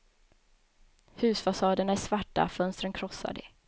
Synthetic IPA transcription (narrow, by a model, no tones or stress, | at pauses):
hʉ̟ːsfasɑːd̪əɳaæʂsvaʈːa̰fœnst̪ɾənkʰɾɔsːa̰ɖɛ̰